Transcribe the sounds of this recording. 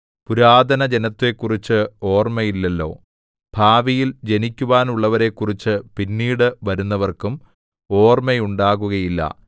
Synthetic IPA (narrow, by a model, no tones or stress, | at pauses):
puɾaːd̪ʱɐnɐd͡ʑe̞nɐt̪ːe̞kːurit͡ɕːɨo̞ːrmejilːelːo̞̰ː | b̥ʱaːʋijild͡ʑe̞nikʲːuʋaːnuɭːɐʋɐɾe̞kːurit͡ɕːɨpinːiːɽɨʋɐɾunːɐʋɐrkum | o̞ːrmejuɳɖaːɣuɣɐjilːɐ̰